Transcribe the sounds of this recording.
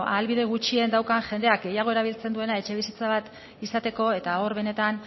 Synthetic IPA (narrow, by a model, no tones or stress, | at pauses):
a̰lβiðe̞ɣ̞ut͡ʃie̞nd̪awkaʝe̞nd̪e̞ak̚ɡe̞jaɣ̞o̞eɾaβ̞ilt͡se̞nd̪ue̞lae̞t͡ʃe̞β̞isit͡saβat̪ | isat̪e̞ko̞e̞t̪ao̞ɾβe̞ne̞t̪an